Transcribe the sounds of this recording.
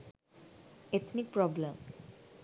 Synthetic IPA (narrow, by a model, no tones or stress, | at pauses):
ɪtsnik̚pɾɔblə̃m